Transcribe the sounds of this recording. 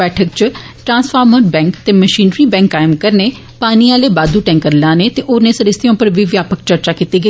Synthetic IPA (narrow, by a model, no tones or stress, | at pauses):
ɛːʈʰək̚t͡ʃ | ʈɾãːnspʰaːɾməʈbɛ̃ːŋkt̪eːməʃiːnɾiːbɛ̃ːŋkːaːɪmkəɾneː | paːniːaːleːbaːd̪uːʈɛ̃ːŋkəɾlãːneːt̪eːʔoːnẽːsəɾɪst̪ʰijõːpəɾʋiːʋjaːpəkt͡ʃəɾt͡ʃaːkiːt̪iːɡəiː